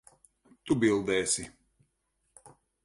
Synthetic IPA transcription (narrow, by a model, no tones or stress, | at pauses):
t̪ubilˠd̪ɛːsi